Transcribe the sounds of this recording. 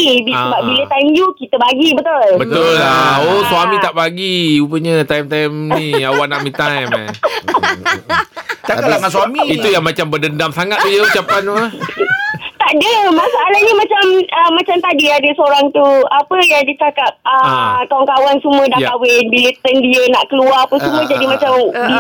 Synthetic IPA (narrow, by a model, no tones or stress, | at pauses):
ibisəbaʔ̚bilət̪ajmjukit̪əbaɡibət̪ʊlbət̪ʊlaosuamĩt̪aʔbaɡiupəɲət̪aimt̪ajmnĩawwaʔnaʔmĩt̪ajm̰ | t͡ʃaalaŋasuamiit̪ujaŋmat͡ʃambədəndamsaŋat̪̚ːujəut͡ʃapanə | t̪aʔdəmasaːlahɲəmat͡ʃaməmːat͡ʃamt̪adiadəsəoɾaŋt̪uapəjaŋdit͡ʃakat̚əkawankawansəmũədaʔkawɪnbilət̪əndiənaʔkəluaapəsumũə̃d͡ʒadimat͡ʃamdi